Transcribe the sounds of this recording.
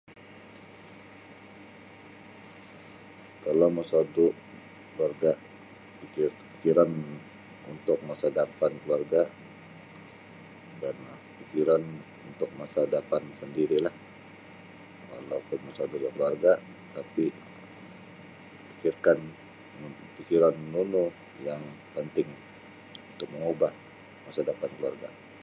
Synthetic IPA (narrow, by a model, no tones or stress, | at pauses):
kalowməsadu | kluarɡa | pikirpi̥kiɾan | unt̪ʊk̚masadapankluarɡa | danahpikiɾan | unt̪ʊk̚masadapansəndiɾilah | kalawpʊnmasadulakluarɡa | t̪api | pikirkan | pikiɾanːunʊh | jaŋ | pənt̪ɪŋ | unt̪ʊk̚məŋubah | masadapankluarɡa